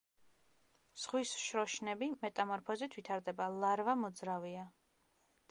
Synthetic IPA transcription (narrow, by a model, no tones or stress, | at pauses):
z̥ʁwisʃɾɔʃnɛbimɛt̪ʼamɔɾpʰɔzit̪ʰvit̪ʰaɾd̪ɛbalˠaɾvamɔd̪zɾavia